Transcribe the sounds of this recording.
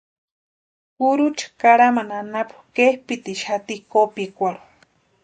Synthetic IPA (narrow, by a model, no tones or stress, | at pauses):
kuɾut͡ʃʰḁkaɾamananapu̥kehpit̪iʃat̪ikopikʷaɾu̥